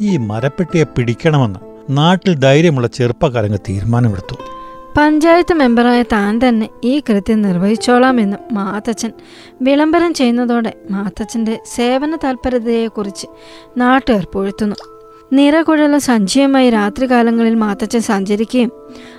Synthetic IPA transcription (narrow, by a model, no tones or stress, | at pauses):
iːmɐɾɐpːeʈːijepiɽikʲːɐɳɐme̞nːɨ | naːʈːild̪ɐjɾjɐmuɭːɐt͡ɕerpɐkɐɾɐŋɡɐɭt̪ḭːɾmaːnɐmeɽut̪ːupɐɲd͡ʑaːjɐt̪ːɨme̞mbɐraːjɐt̪aːnt̪ɐnːe̞iːkrɨt̪jɐnirʋɐhit͡ɕːoːɭaːme̞nːumːaːt̪ːɐt͡ɕːɐn | ʋiɭɐmbɐɾɐmt͡ɕe̞jːunːɐðo̞ːɽe̞maːt̪ːɐt͡ɕːɐnde̞se̞ːʋɐnɐt̪ɐlpɐɾɐðɐjekurit͡ɕːɨ̥ | naːʈːɨerpoɻit̪ːunːu | nirɐkoɻɐlumsɐɲt͡ɕʰijɐmaːjiɾaːt̪riɣaːlɐŋːɐɭilmaːt̪ːɐt͡ɕːɐnsɐɲd͡ʑɐɾikʲːɐjum